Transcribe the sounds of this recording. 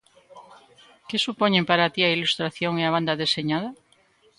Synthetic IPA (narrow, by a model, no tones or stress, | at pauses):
kesupoɲẽmpaɾat̪iailust̪ɾaθjoŋeaβ̞and̪aðeseɲað̞ɐ